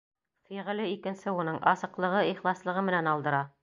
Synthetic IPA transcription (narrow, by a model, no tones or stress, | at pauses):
fiʁ̆lɘikɘ̆nsɘunɤɴʔɑsɤ̆qlˠɤ̆ʁɤiχlˠɑslˠɤ̆ʁɤmɘ̆nænɑlˠd̪ɤ̆ɾɑ